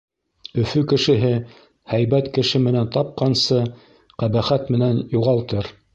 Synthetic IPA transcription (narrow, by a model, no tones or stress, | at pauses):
ɵ̆fɵkɘ̆ʃɘ̆ɦɘ | hæjbæt̪kɘ̆ʃɘmɘ̆nænt̪ɑp̚qɑnsɤ | qæβæχæt̪mɘ̆nænjuʁɑlˠt̪ɤɾ